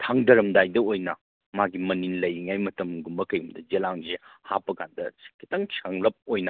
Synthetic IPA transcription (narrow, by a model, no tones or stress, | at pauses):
tʰaŋdɐɾɐmdajdɐojnɐ | maɡimɐninlɐjiŋajmɐtɐmɡumbɐkɐjumdɐd͡ʒelaŋzehapːɐkʰandɐskʰitaŋt͡ʃʰaŋlɐp̚ojnɐ